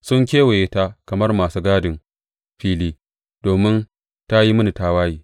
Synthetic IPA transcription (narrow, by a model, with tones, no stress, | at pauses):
sʊ˦ŋkʲeː˦we˨je˦ta˦kɐ˨mɐ˦rmaː˨suː˦ɡaː˦dɪ˨n | ɸiː˦liː˦ | d̥oː˨mɪ˦n | ta˦ji˦mɐ˦ni˨taː˦waː˦jiː˨